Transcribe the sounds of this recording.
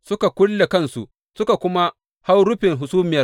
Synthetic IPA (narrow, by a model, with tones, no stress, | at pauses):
sʊ˦ka˨kʷʊ˦lːe˨kɐ˦nsṵ˨ʔ | sʊ˦ka˨kʷʊ˦ma˦ | ha˦wɽʊ˦ɸɪ˨ŋɦʊ˨suː˦mɪ˨jɐ˦r